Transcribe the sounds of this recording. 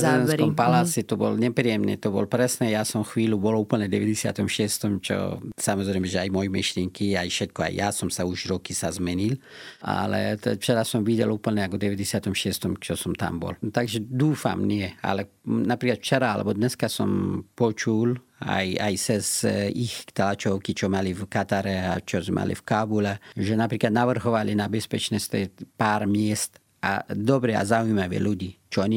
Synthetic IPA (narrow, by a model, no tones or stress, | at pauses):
enskompalasit̪obo̰lnepɾijemnḛt̪obolpɾesnejaːsomxʋiːluboloupəlned̪eʋed̪esja̰t̪omʃeːst̪omt͡ʃo̰samozɾemeʒeajmojimiʃlʲeŋkiajʃet̪koa̰j̰jaːsomsauʒiɾokisazmenila̰lḛt̪ft͡ʃeɾasomʋid̪jelupəlneakod̪eʋed̪esjat̪omʃeːst̪omt͡ʃosomt̪a̰mbo̰lt̪aɡʒed̪uːfa̰mnɪɛa̰lɛ | napɾiːklat̪ft͡ʃɛɾaalɛ̰bɔd̪nɛskasɔmpɔt͡ʃul | a̰jajsɛsixt̪alat͡ʃɔwkit͡ʃɔmalifkat̪aɾɛat͡ʃɔzɛmʔa̰lḭfkabulɛʒɛnapɾiːklad̪naʋr̩ɦɔʋalinabɛspɛt͡ʃnɛst̪ɛpaːɾmɪɛst̪ | a̰d̪ɔbɾɛa̰zaujmaʋɛ̰luɟiːt͡ʃɔɔɲi